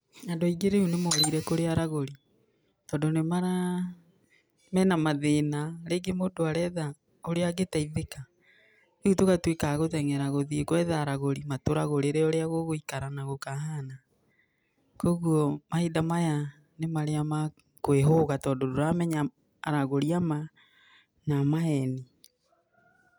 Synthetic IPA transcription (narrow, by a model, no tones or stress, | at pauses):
ɛndoiɡeɾeunemɔɾiiɾɛkoɾeaɾaɣoɾi | tɔːndonemaɾa | mɛnamaðenaɾeːɡemodoaɾɛða | oɾeaɣetaiðeka | eɣutokatwekaɣotɛŋɛɾaɣoðiekwɛðaːɾaɣoɾimatoɾaɣoɾeɾeoɾeaɣoɣoikaɾanaɣokaɦana | kɔɣuɔmahedamaja | nemaɾeama | kweɦoɣatɔːdɔdoɾamɛɲaː | ɾaɣoɾiama | namaɦɛni